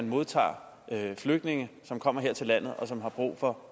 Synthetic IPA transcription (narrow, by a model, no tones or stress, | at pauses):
nmo̝ð̞ˠt͡sʰɑ̰̈ː | fløɡ̥d̥ne̝ŋəsɒ̽mkʰɒ̽m̰ɐɦe̝ɐ̰t͡sʰe̝lːæn̰ð̞̩ˠɒ̽sɒ̽mɦɑ̈b̥ʁṵːfɒ̽